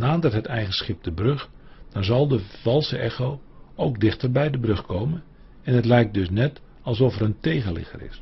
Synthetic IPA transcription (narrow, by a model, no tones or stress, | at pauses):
naːdərɦətɛjɣənsχɪp̚dəbrøχ | d̥ɔnzɑlˠdəvɑlˠsəʔɛxow | owɡdɪχtərbɛjdəbrɵχkowmən | ɛnətlɛjk̚dɵs̬nɛt | ɑlˠs̬ɔfəɾəntejɣəlɪ̰χə̰rɪ̰s